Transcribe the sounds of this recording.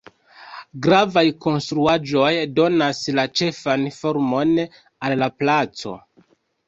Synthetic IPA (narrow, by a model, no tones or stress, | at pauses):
ɡɾavajko̞nstɾuaʒo̞jdo̞naslat͡ʃe̞fanfo̞ɾmo̞n | alːaplat͡so̞̰